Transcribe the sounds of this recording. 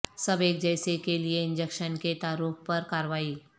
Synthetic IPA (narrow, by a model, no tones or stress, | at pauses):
səbeːk̚d͡ʒɛjsekelieɪ̃nd͡ʒəkʃənket̪aːɾuːk̚ʰpəɾkaːɾʋaːiː